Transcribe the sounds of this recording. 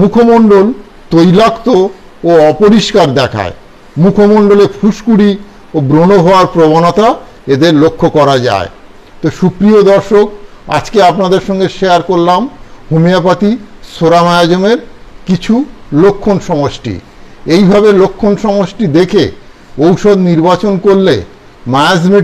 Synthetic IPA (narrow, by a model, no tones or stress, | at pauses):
mukʰomoɳɖol | t̪ojlakt̪o | oɔpoɾiʃkaɾd̪ɛkʰa̰e | mukʰomoɳɖolepʰuʃkuɽi | obɾonoɦɔoaɾpɾobanot̪a | ed̪eɾlokʰːokɔɾad͡ʑa̰e | t̪oʃukɾiod̪ɔɾʃok̚ | a̰d͡ʑkeapnad̪eɾʃɔŋɡeɾʃeaɾkoɾlamhumijapat̪isoɾamajad͡ʑomeɾkit͡ɕʰulokʰːonʃɔŋoʃʈḭ | ejbʱabelokʰːonʃɔŋosʈid̪ekʰe | owʃod̪niɾbat͡ɕonkoɾlḛ | maad͡ʑme